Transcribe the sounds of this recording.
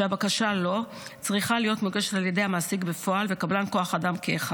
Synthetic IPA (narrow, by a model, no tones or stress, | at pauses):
eabakaʃalo̞ | t͡sʁiχalijo̞tmeɡe̞ʃetalje̞de̞jhamaːsiɡbe̞fo̞ʔalve̞kablanko̞aχadamkeːχa